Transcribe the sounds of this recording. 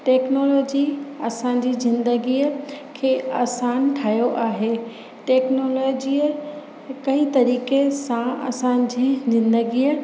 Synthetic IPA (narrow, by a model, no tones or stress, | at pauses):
ʈɛːknoːloːd͡ʑiɐsãɲ̆d͡ʑiːzɪ̃nd̪əɡiːəkʰeːaːsaːnʈʰaːjoʔaːɦeː | ʈɛːknoːloːd͡ʑiːə | kɐit̪ɐɾiːkesãɐ̰sãːɲd͡ʑiːzɪ̃nd̪əɡiːə